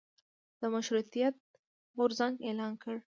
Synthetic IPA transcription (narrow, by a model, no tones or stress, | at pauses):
d̪̥əmaʃɾut̪ijat̪̚ | ɣʊɾzaŋɡelɑnkəɽ